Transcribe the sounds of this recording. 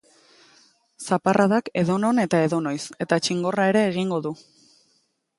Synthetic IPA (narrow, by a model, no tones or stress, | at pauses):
saparʔaðake̞ðo̞no̞ne̞t̪ae̞ðo̞no̞jse̞t̪at͡ʃiŋɡo̞rae̞ɾe̞ːɣ̞iŋɡo̞ðu